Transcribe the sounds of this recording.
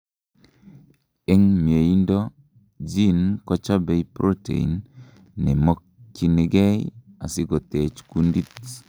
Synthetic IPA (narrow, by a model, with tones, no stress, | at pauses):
e˦ŋmje˨indɔ˦ | d͡ʒi˦nkɔ˦t͡ʃa˦bɛ˨˦ipɾʔo˦tḛ˨ḭ˨nː | ɛ˨mɔ˦k̚t͡ʃi˨ni˨ɡɛ˦ja˨sɪ˦ɡɔ˨te˨t͡ʃku˦ndi˦t